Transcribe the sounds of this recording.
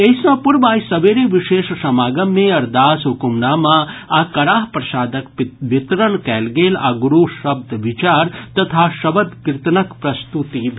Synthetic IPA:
esɐ̃puɾbaːjsɐʋeɾeʋiʃeːʃsɐmaːɡɐmːẽɐɾd̪aːsɦukumnamãakɐɽaːɦpɾɐʃaːd̪əkpʋɪt̪ɾəɳkɛːlɡeːla̰ɡuɾuʃɐb̚d̪ʱʋit͡ʃaːɾt̪ɐt̪ʰaʃɐbəd̪kɾɪt̪nɐkpɾɐst̪ut̪ibʱ

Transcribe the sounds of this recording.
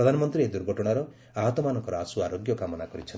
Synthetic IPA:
ɔd̪ʱanɔmɔnt̪ɾied̪uɾɡʱɔʈɔɽ̃aɾɔ | aɦɔt̪ɔmanɔŋkɔɾɔasuaɾoɡjɔkamɔnakɔɾit͡ʃʰɔnt̪

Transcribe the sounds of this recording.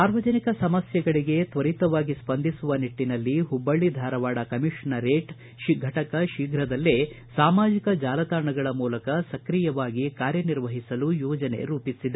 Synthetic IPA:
saːɾʋɐd͡ʒɐnikɐsɐmɐsjɐɡɐɭiɡe̞t̪ʋɐɾit̪ɐʋaːɡispɐnd̪ʱisuʋɐniʈːinɐlːiɦubːɐɭːid̪ʱaːɾɐʋaːɽɐkɐmiʂɐnɐɾeːʈ | ʃiɡʱɐʈɐkɐʃiːɡʱɾɐd̪ɐlːe | saːmaːd͡ʒikɐd͡ʒaːlɐt̪aːɾɳɐɡɐɭɐmuːlɐkɐsɐkɾijɐʋaːɡikaːɾjɐniɾʋɐɦisɐlujɔːd͡ʒɐne̞̰ɾuːpisid̪e

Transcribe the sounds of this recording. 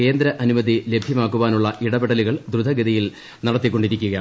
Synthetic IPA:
ke̞ːnd̪ɾɐʔɐnumɐðile̞bʱjɐmaːkːuʋaːnuɭːɐʔiɽɐbeɽɐliɣɐɭd̪ɾud̪ʱɐɡiðɐjil | nɐɽɐt̪ːikːo̞ɳɖiɾikʲːuɣɐja

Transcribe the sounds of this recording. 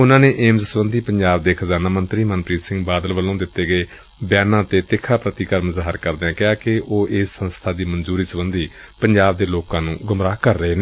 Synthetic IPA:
ʊnãːneːʔeːmzsbənd̪iːpəɲd͡ʒaːbd̪eːkʰəzaːnaːmənt̪ɾiːmənpɾiːt̪sɪ̃ŋɡbaːd̪əlʋəlõːd̪ɪt̪ːeːɡəeː | bjaːnãːt̪eːt̪ɪkʰːaːpɾət̪iːkəɾməzaːɦəɾkəɾd̪eɛ̃ːkɪaːkɪʔoːʔɪːsːənst̪ʰaːd̪iːmənzuːɾiːsəbənd̪iː | pəɲd͡ʒaːb̚d̪eːloːkãːnũːɡʊmɾaːkəɾːəɦeːneː

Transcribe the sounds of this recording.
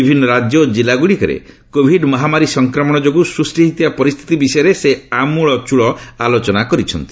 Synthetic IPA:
ibʱinːɔɾad͡ʒjod͡ʒilaɡuɽikɔɾḛ | kobʱiɖmɔɦamaɾisɔŋkɾɔmɔɽ̃ɔd͡ʒoɡusɾusʈiɦit̪ibapɔɾist̪ʰi̥t̪ibisɔjɔɾeseamuɭɔt͡ʃuɭɔalot͡ʃɔnakɔɾit͡ʃʰɔnt̪i̥

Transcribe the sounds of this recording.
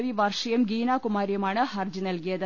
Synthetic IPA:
ʋiʋɐrʂɐjɐmɡiːnaːkumaːɾijɐmaːɳɨhɐrd͡ʑɨnɐlkijɐðɨ

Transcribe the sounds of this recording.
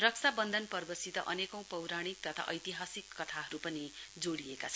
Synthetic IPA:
rʌksʰabʌnd̪ʱʌnpʌrbʌsit̪ʌʔʌnekʌ̃w̃pʌwɾaɽ̃ik̚t̪ʌt̪ʰa̰ʔʌjt̪iɦasikːʌt̪ʰaɦʌɾupʌnid͡zoɽiekat͡sʰʌn

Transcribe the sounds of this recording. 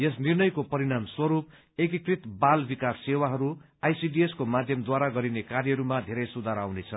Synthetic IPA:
jes̬nirnʌjkopʌɾiɽ̃amswʌɾup̚ | ek̬ikrit̪balbikasːewaɦʌɾu | ajsiɖieskomad̪ʱjʌmd̪waɾaɡʌɾinekarjʌɦʌɾumad̪ʱeɾʌjsud̪ʱaɾawnet͡sʰʌ

